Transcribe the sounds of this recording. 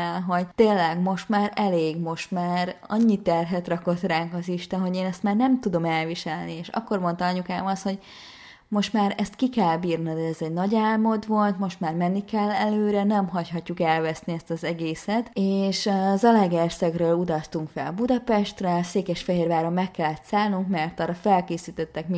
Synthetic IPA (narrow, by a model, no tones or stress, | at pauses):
ɛlɦo̞ɟt̪eːlːɛɡmo̞ʃt̪maːɾɛleːɡmo̞ʃt̪maːɾɒɲːit̪ɛrɦɛt̪rɒko̞t̪raːŋkɒziʃt̪ɛnɦo̞ɟeːnɛst̪maːrnɛmt̪ud̪o̞mɛlviʃɛlnieːʃɒ̰kːo̞rmo̞nt̪ɒɒɲukaːmɒsho̞ɟ | mo̞ʃt̪maːɾɛst̪kikɛlbiːrnid̪ɛːzɛɟnɒɟaːlmo̞d̪vo̞lt̪mo̞ʃt̪maːrmɛnːikɛlːɛløːɾɛnɛmɦɒchɦɒcːukɛlvɛsniɛst̪ɒzɛɡeːsɛt̪eːʃzɒlɛɡersɛɡrøːlud̪ɒst̪uŋkfɛ̰lbud̪ɒpɛʃt̪rɛseːkɛʃfɛɦeːrvaːɾomːɛkːɛlːɛt̪saːlnuŋkmɛrt̪ɒːrːɒfɛlkeːsiːt̪ɛt̪ːɛkmi